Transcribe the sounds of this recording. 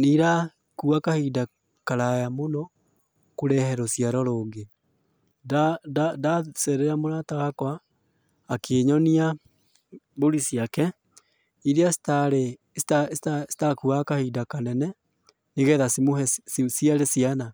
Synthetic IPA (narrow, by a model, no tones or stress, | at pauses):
niɾa | kuakahida | kaɾajamonɔ | koɾɛhɛɾosiaɾɔɾoːŋɡe | dadadasɛɾeɾamoɾataɣakwaː | kʰeɲɔnia | boɾisiakɛ | iɾeasi̥taɾe | si̥tasitasi̥takuakahidakanɛnɛ | neɣɛðasemohɛsiaɾesijana